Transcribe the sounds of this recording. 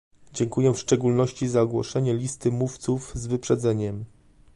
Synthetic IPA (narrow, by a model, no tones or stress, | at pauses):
d͡ʑɛŋkujɛfʂt͡ʂɛɡulnɔɕt͡ɕizaɡwɔ̰ʂɛɲɛlʲist̪ɘmuft̪suvzvɘpʂɛd̪zɛɲɛm